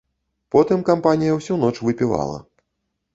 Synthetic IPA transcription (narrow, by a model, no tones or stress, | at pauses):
pɔt̪ɨmkampanʲijɐwsʲun̪ɔt͡ʂvɨpʲiva̰lˠɐ̰